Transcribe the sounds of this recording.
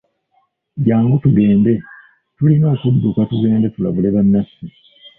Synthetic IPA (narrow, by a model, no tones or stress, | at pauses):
ɟaːŋɡutuɡe̞ːmbe̞ | tulino̞ːkudːukatuɡe̞ːmdetulaβuleβanːasi